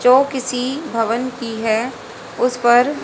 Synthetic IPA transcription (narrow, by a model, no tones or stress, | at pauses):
d͡ʒoːkɪsibʱɐʋənkiɦɛ | ʊspɐɾ